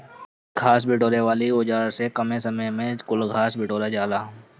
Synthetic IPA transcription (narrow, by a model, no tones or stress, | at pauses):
ɡʱaːs̬bɪʈoːɾeʋaːliʊd͡ʒaːɾsekɐmesɐməjmẽkʊlɡʱaːsbɪʈoːɾad͡ʒaːlaː